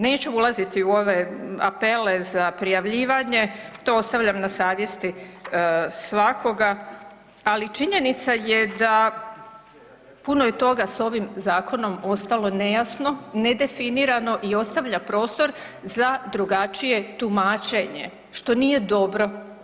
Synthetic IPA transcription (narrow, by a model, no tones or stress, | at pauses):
ne̞ːt͡ɕuulˠazit̪iuo̞ʋe̞a̰pe̞le̞zapɾijaʋʎiːʋaɲe̞t̪oo̞st̪aʋʎamnasaːʋje̞st̪i | sʋako̞ɡaː | lit͡ʃiɲe̞nit̪saje̞d̪a | punojet̪o̞ɡaso̞ʋimzaːkʰo̞no̞mo̞st̪alo̞ne̞jasno̞ne̞d̪e̞finiɾano̞ʔio̞st̪aʋʎapɾo̞ːst̪o̞ɾ | zad̪ɾuɡat͡ʃije̞t̪umaːt͡ʃe̞ɲe̞̰ | ʃt̪o̞niːje̞d̪o̞bɾo̞